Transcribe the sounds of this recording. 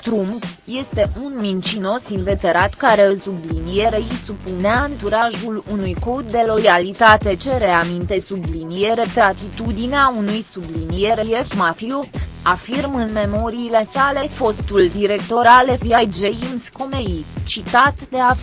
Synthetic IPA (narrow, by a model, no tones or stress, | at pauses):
t̪ɾumpje̞st̪e̞ʔunmint͡ʃino̞sinve̞t̪e̞ɾat̪kaɾe̞sublinije̞ɾe̞isupuneaɨnt̪uɾaʒulunujko̞d̪ːe̞lo̞jalit̪at̪e̞t͡ʃe̞ɾe̞amint̪e̞sublinije̞ɾe̞t̪ɾat̪it̪ud̪ineaunujsublinije̞ɾejefmafiut̪ | afirmɨnme̞mo̞ɾiːle̞sale̞fo̞st̪uld̪iɾe̞kt̪o̞ɾalefjajd͡ʒe̞imsko̞meit͡ʃit̪at̪d̪e̞a